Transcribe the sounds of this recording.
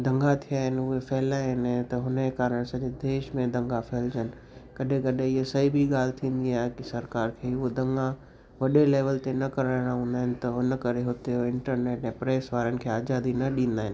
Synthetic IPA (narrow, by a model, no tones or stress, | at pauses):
d̪ʱɐ̃ŋɡat̪ʰijaːɦɪnɪ̆ʊɦefɛɦlaːɦɪnat̪ɐɦʊnekaːɾəɽ̃sɐʄed̪eːʃmẽd̪ɐ̃ŋɡafɛːld͡ʑənɪ̆ | kɐɗẽkɐɗẽɪɦesɐɦibʱiɠaːl̤ɪt̪ʰĩːn̆d̪iaːɦekɪsɐɾkaːɾkʰeːʊɦod̪ɐ̃ŋɡã | ʋɐɗeleːʋəlt̪enɐkɐɾəɽɽ̃ãɦũːnd̪aːɦɪnɪ̆t̪ɐɦʊnəkɐɾeɦoːt̪eɪ̃ɳʈəɾneːʈɛ̃ːpɾeːsʋaːɾənɪ̆kʰeːaːzaːd̪inɐɗĩːnd̪aːɦɪnɪ̆